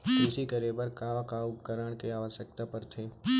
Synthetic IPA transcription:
kɪsikəɾeːbəɾkakaʊpkəɾəɽ̃keaːʋəʃək̚t̪apɐɾt̪ʰeː

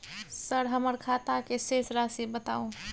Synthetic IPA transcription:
səɾɦəməɾkʰaːt̪akesesɾasibət̪aːõ

